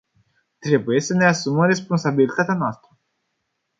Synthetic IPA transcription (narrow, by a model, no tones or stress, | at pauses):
t̪ɾe̞buje̞səne̞asuməmre̞spo̞nsabilit̪at̪eanoast̪ɾə